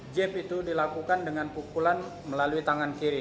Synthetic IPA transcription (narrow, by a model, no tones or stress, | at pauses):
d͡ʒɛpit̪udilakukandəŋanpukulan | məlaluit̪aŋankiɾi